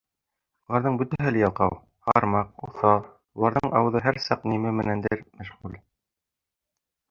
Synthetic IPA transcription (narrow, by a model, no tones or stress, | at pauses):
ŭlˠɑɾðɤɴbɵ̆t̪æɦɘ̆lɘjɑlˠqɑ̰w | hɑ̰ɾmɑq̚uθɑ | ulˠɑɾðɤɴʔɑwɤ̆ðɤɦæɾsɑqnimɘmɘ̆nænd̪ɘɾmæʃʁul